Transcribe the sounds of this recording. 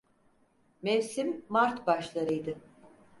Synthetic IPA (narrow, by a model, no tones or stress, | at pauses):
mɛvsimːaɾt̪baʃlˠaɾɯjd̪ɯ